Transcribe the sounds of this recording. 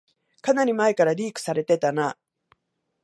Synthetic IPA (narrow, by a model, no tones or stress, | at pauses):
kanaɾʲimaekaɾaɾʲiːkɯ̥saɾe̞t̪e̞t̪ana